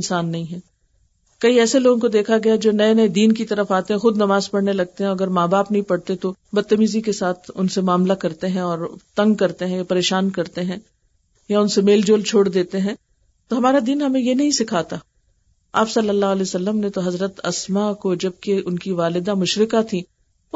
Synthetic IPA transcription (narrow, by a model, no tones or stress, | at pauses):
nsaːnːɐɦĩɦɛ̃ː | kɐiɛːseloːɡõkod̪eːkʰaɡɐjad͡ʒoːnɐenɐed̪iːnkit̪ɐɾəfaːt̪eɦɛ̃xʊd̪nɐmaːzpɐɽnelɐɡ̚t̪eɦɛ̃ɐɡəɾmaːbaːpnɐɦĩpɐɽt̪et̪obɐt̪ːəmiːzikesaːt̪ʰʊnsemaːmlakɐɾt̪eɦɛ̃ɔːɾt̪ɐ̃ŋɡ̚kɐɾt̪eɦɛ̃japɐɾeːʃaːnkɐɾt̪eɦɛ̃ː | jaʊnsemeːld͡ʒoːlt͡ʃʰoːɽd̪eːt̪eɦɛ̃ː | t̪oɦɐmaːɾad̪iːnɦɐmẽjenɐɦĩsɪkʰaːt̪aː | a̰ːpsɐlːəlːaɦɐlɛːosɐlːəmnet̪oɦɐzɾət̪ɐsmakod͡ʒɐb̚keʊnkiʋaːlɪd̪amʊʃɾɪkat̪ʰi